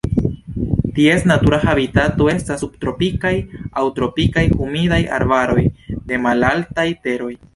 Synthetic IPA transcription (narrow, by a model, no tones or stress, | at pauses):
tie̞snatuɾahabitato̞e̞stasub̚tɾo̞pikajawtɾo̞pikajkumidaja̰ɾbaɾo̞jde̞malaltajte̞ɾo̞j